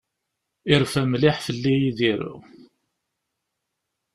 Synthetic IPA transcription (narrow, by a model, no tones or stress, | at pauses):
ɪɾfæmlɪħfəlːijiðiɾṵ